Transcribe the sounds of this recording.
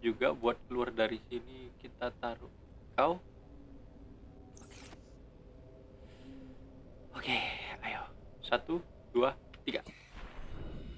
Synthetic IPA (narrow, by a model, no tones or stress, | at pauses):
d͡ʒuɡa̰buat̪̚kəluardaɾisinikit̪at̪aɾʊ | kaw | oke | okeajosat̪u | duat̪iɡa